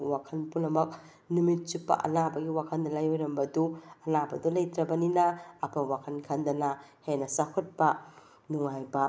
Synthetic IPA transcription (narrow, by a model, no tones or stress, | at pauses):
wakʰɐnpunɐmɐk̚ | numit̚t͡ʃupːɐ̰ʔɐ̰nabɐɡiwakʰɐndɐlajojɾɐmbɐduɐnabɐdulɐjtɾɐbɐninɐːpʰɐwakʰɐnkʰɐndɐnɐhenɐsakʰot̚pɐ | nuŋajbɐ